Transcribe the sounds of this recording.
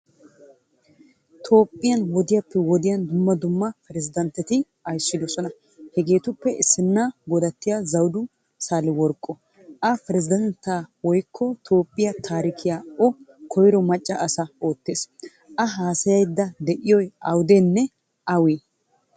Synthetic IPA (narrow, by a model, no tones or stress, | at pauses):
t̪ʰo̞ːpʼːɪjɐnwɔd̪ɪjɐpːɛwɔd̪ɪjɐnd̪ʊmːɐd̪ʊmːɐpɛɾɛzɪd̪ɐnt̪ːɛt̪ɪ | ɐjsːɪd̪ɔsɔnɐ | hɛɡe̞ːt̪ʊpːɛʔɪsːɪnːaɡɔd̪ɐt̪ːɪjazɐwd̪ʊ | saːlɪwɔɾkʼːɔ | ʔɐpɛɾɛzɪd̪ɛnt̪ːaːwɔjkʰːɔt̪ʰo̞ːpʼːɪjɐt̪ʰaːɾɪkʰɪjaːɔkʰɔjɾɔmɐt͡ʃʼːɐʔːsɐo̞ːt̪ːeːs | ʔɐɦaːsɐjɐjd̪ːɐd̪ɛʔɪjɔjɐwd̪enːɛ | ʔɐwiː